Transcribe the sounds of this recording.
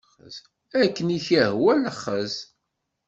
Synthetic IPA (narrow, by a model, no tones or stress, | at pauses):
ə̰z | ækːəniçæhwæləχːəz